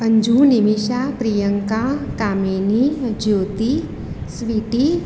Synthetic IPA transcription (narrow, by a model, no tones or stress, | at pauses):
ɐɲd͡ʒʱuːnimiʃapɾijəŋkakaːmenid͡ʒjoːt̪i | sʋiʈi